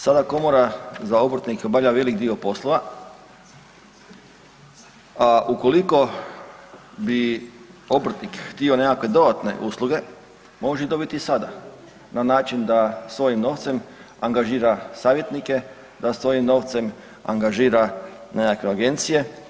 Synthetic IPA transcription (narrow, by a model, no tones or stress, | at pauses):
sad̪ako̞moɾazao̞bɾ̩t̪nikobaʋʎaʋe̞likd̪io̞po̞slˠoʋa | aʔuko̞liko̞ | bi | o̞bɾ̩t̪nikxt̪io̞ne̞kakʋe̞d̪o̞d̪at̪ne̞̰ʔuslˠuɡe̞ | mo̞ʒeid̪o̞bit̪isad̪a | nanaːt͡ʃind̪asʋo̞jimno̞ʋt̪sem | aŋɡaʒiːɾasaːʋje̞t̪nike̞ | d̪asʋo̞jimno̞ʋt̪se̞m | a̰ŋɡaʒiːɾanekakʋeaɡe̞nt̪sije̞